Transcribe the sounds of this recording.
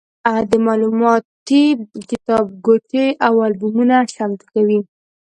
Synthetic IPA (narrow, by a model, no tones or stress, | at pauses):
ad̪əmɑlumɑt̪ikɪt̪ɑb̚ɡoʈeʔawɑlbumunaʃamt̪kawi